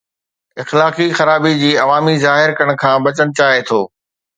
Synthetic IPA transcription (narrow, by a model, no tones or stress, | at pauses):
ɪxlaːqixɐɾaːbid͡ʑiːɐʋaːmizaːɦɪɾkɐəɽ̃̆kʰãːbɐt͡ɕəñɪ̆t͡ɕaːɦet̪ʰoː